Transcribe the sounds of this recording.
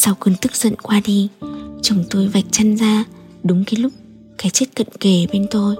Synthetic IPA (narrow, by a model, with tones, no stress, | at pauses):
sa˧wkɨ˧ənt̪ɨ˦˥k̚z̥ə̰˧˨nkwaː˧ɗi˧t͡ɕə˨˦wŋ͡mt̪o˧jva˨˩jk̟̚t͡ɕa˧nzaː˧ | ɗʊ˨˦ŋ͡mki˨˦lʊ˦˥k͡p̚ | kaː˨˦jt͡ɕe˦˥t̚kə̰˧˨nke˧˩ɓe˧nt̪o˧j